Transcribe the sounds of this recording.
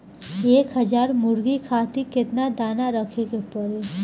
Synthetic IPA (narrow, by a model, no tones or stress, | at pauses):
eːkɦəd͡ʒaːɾmʊɾɡikʰaːt̪ikɪt̪nad̪aːnaɾəkʰeɡepəɾe